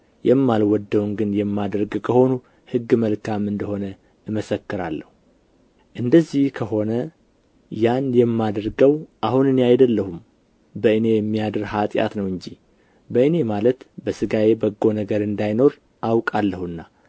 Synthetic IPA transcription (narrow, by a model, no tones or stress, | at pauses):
jɛmːalwɔd̪ːəwnɡɨnjɛmːad̪ɾɡkʰəho̞nu | hɨɡːməlkʰamɨnd̪əho̞nə | ɨməsəkːɨɾalːəhu | ʔɨnd̪əzːihkʰəho̞nə | janjɛmːad̪ɾɡəwʔahunɨne̞ajd̪əlːəhum | bəɨne̞jɛmːijad̪ɨɾhat̪ʼja̰t̪nəwɨɲd͡ʒi | bəɨne̞malət̪bəsɨɡaje̞bəɡːo̞nəɡəɾɨnd̪ajno̞ɾ | ʔawkʼalːəhuɨnːa